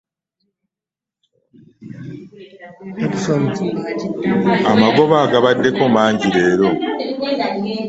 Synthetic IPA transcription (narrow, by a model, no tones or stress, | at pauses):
katisam | amaɡo̞βaːɡaβadːe̞ko̞maːɲɟiɾe̞ːɾo̞